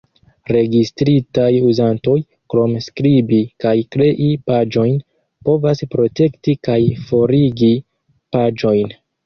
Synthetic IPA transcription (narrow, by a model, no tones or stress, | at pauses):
ɾe̞ɡistɾitajuzanto̞j | kɾo̞mskɾibikajkɾe̞ʔipad͡ʒo̞jn | po̞vaspɾo̞te̞ktikajfo̞ɾiɡi | pad͡ʒo̞jn